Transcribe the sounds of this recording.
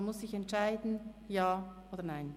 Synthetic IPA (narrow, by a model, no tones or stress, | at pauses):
nmʊsːɪçɛntʃaɪdn̩jaːʔoːdəɐnaɪn